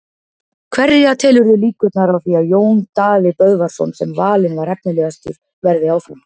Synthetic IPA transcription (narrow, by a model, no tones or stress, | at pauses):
kʰvɛɾjat̪ʰɛːlʏɾðɪliːkʏt̪naɾawθiajoːwnt̪aːvɪpœðvaɾ̥sɔ̰nsɛmvaːlɪnvaɾɛp̚nɪlɛːɣast̪ʏɾ̥ | vɛɾðɪawθun